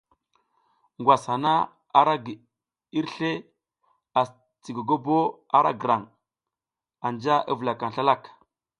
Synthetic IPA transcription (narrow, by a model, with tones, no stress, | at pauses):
ŋɡʷwʷa˨sha˨na˦ | a˨ɾa˦ɡ | i˦ɾɬe˦ | a˨s | t͡si˨ɡo˨ɡo˦bo˦ | a˨ɾa̰˦ɡə˨ɾa˨ŋ | a˨nd͡ʒa˦ʔa̰˦və˨la˨ka˨n˨ɬa˦la˦˨k